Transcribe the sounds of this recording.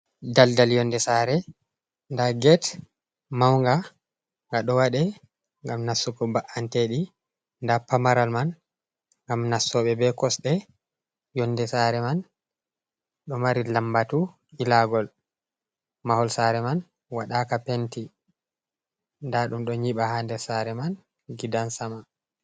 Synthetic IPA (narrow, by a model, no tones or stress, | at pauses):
daldaljɔndɛsaɾɛ | ndaɡɛt | mawŋɡa | ŋɡaɗɔwaɗɛ | ŋɡamnasːukɔbaʔanteɗi | ndapamaɾalman | ŋɡamnasːɔɓɛbɛkɔsɗɛ | jɔndɛsaɾɛman | ɗɔmaɾilambatu | ilaɡɔl | mahɔlsaɾɛman | waɗakapenti | ndaɗumɗɔɲiɓahandɛsaɾɛman | ɡidansama